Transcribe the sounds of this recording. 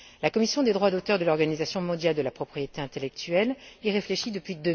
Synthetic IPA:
lakɔmisjɔ̃d̪ed̪ʁwad̪ot̪œʁd̪əlɔʁɡanizasjɔ̃mɔ̃d̪jald̪əlapχɔpχijet̪eɛ̃t̪elɛk̚t̪ɥɛleʁefleʃid̪əpɥid̪ø

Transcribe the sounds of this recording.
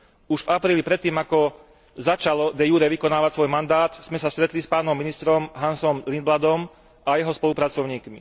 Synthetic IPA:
uʒvapɾiːlipɾɛt̪ːiːmakɔ | zat͡ʃalɔd̪ɛjuːɾɛʋikɔnaːʋacsʋɔjmand̪aːt̪z̥mɛsast̪ɾɛt̪lispaːnɔmːinist̪ɾɔmɦansɔmlinb̪lad̪ɔm | ʔajɛɦɔspɔlupɾat͡sɔʊɲiːkmḭ

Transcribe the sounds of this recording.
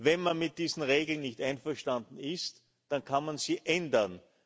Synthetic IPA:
vɛnmanmɪt̚d̥iːzn̩ʁeːɡl̩nːɪçtaɪnfɛɐʃtandn̩ɪst | d̥ankʰanmanziːʔɛndɐn

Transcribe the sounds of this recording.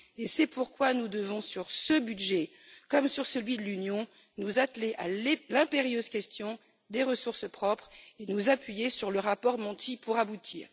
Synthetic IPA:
esɛpuʁkwanud̪əvɔ̃syʁsəbydʒɛ | kɔmsyʁsəlɥid̪əlynjɔ̃ | nuzat̪leʔa̰llɛ̃peʁjøzkʲɛst̪jɔ̃ | d̪eʁəsuʁsəpχɔpχenuzapɥijesyʁləʁapɔʁmɑ̃t̪ʰipuʁabut̪ʰḭːʁ

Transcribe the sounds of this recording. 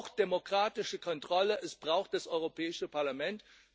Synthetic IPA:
xt̚d̥emokʁ̥aːtɪʃəkʰɔntʁ̥ɔləʔɛsb̥ʁaʊxt̚d̥asʔɔʏʁopʰɛːɪʃəpʰaɐlamɛnt

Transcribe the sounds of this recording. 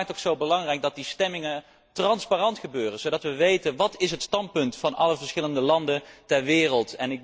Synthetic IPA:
ktoksowbəlɑŋrɛjk̚dɑt̚distɛmɪŋə | trɑnsparɑntχəbøːrənzowdɑtʋəʋejtənʋɑtɪsɦətstɑnt̚pɵntfɑnɑləvəɹsχɪləndəlɑndəntɛɹʋɪːrəlˠtɛnɪk̚

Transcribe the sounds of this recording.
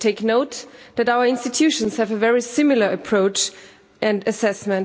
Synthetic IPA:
tʰeɪknoʊtðɨɾaʊə˞ɪ̃nstɨtʰjʉʃə̃nshɨvəvɛɹisɪ̃ml̩ˠə˞ɨpʰɹ̥oʊt͡ʃ | ʔɨ̃ndɨsɛsmɨ̃n

